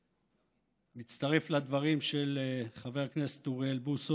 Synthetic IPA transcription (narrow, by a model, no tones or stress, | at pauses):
mit͡st̪aʁeflad̪vaʁimʃelχave̞ʁkne̞se̥t̪uʁelbuso